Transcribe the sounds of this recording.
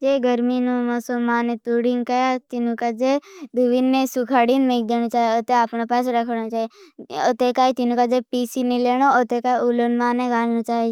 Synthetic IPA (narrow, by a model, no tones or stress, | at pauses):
d͡ʒeɡəɾminumɔsəlmaːnet̪uɽiŋɡkajat̪inũkad͡ʒed̪uʋinːẽsukʰaɽinmeɡd͡ʒ̪enũt͡ʃaːeət̪eaːpnapaseɾakʰnot͡ʃaeət̪ekaːjt̪inũkad͡ʒepisinileñoot̪ekaiulonmaːneɡaɾnot͡ʃaːe